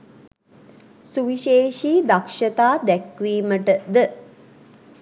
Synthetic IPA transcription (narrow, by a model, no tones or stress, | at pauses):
suʋiʃeːʃiːd̪akʂət̪aːd̪ækʋiːməʈəd̪ə